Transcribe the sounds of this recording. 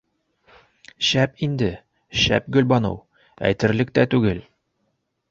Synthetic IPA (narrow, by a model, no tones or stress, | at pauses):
ɕæpind̪ɘ | ɕæ̰p̚ɡɵ̆lbɒnɤ̰w | æ̰jt̪ɘ̆ɾlɘk̚t̪æt̪ʉɡɘl